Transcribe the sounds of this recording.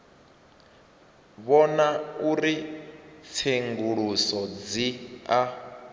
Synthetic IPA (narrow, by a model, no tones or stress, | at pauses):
βɔnauɾi | t͡sʰeŋɡuɺusɔd͡zia